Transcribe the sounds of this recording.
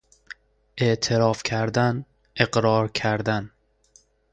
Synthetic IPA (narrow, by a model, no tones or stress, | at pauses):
ʔe̞ʔt̪ʰeɾɒːfcʲʰæɾd̪æn | eɡɾɒːɾkʰæɾd̪æn